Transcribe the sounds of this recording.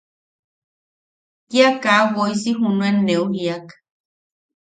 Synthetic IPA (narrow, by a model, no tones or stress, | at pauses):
kiakawoisiɦunuendeuhiak